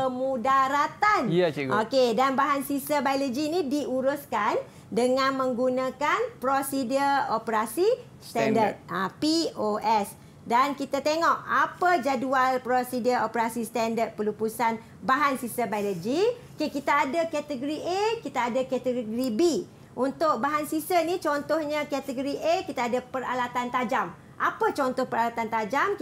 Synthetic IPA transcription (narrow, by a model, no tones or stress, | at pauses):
pəmudaɾat̪anokedanbaɦansisabajlod͡ʒiːnidiʔuɾuskan | dəŋãnmə̃ŋɡunãkanpɾosidəopəɾasi | st̪andət̪̚apioʔɛs | dankit̪at̪eŋɔʔapad͡ʒadualpɾosidiəopəɾasist̪andət̪̚pəlupusan | baɦansisəbajləd͡ʒiokekit̪aadakat̪əɡoɾiʔekit̪aːdakɛt̪əɡɡɾibi | ʔunt̪ʊk̚baɦansisənit͡ʃɔnt̪ɔhɲə̃kɛt̪əɡoɾiʔekit̪aadapəɾa̰lat̪ant̪ad͡ʒam | ʔapət͡ʃɔnt̪ɔhpəɾalat̪ant̪ad͡ʒam